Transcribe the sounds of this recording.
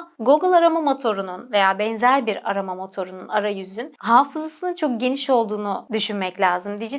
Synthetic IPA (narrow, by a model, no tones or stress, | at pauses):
ɡoɡɯlˠaɾamamo̞t̪ʰo̞ɾununve̞jaːbɛnzælʲbiɾaɾamamo̞t̪ʰo̞ɾununaɾajyzynɦaːfɯzasɯnɯnt͡ʃʰo̞k̚ɟe̞niʃo̞lˠd̪uːnud̪yʃynmɛclʲaːzɯmd̪id͡ʒi